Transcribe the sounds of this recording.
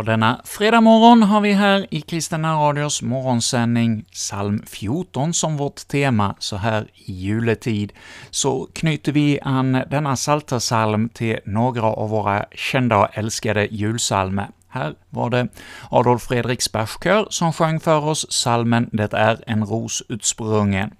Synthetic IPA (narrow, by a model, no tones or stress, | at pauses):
d̪ɛnːafɾeːd̪amɔɾɔnɦaɾvɪɦæːɾɪkʰɾɪst̪ənaɾɑːd̪ɪʊsmɔɾɔnsɛnːɪŋsalmfjuʈɔnsɔmvɔʈ̪ʰːeːmasɔɦæːɾɪjʉ̟ːlət̪ʰiːd̪sɔkʰnʏːt̪ːəvɪʔand̪ɛnːasalt̪ʰəsalmt̪ʰɪlnoːɡɾaʔa̰vːoːɾa̰ɕɛnd̪aɔɛlskad̪əjʉ̟ːlsa̰lmə̰ | hæːɾva̰ɖɛɑd̪ɔfɾeːd̪ɾɪkspæʂkʰøːɾsɔmɧœŋːfœɾɔsːalmənd̪ɛt̪ːaæɾɛnɾuːsʉ̟ːt̪spɾɵŋːən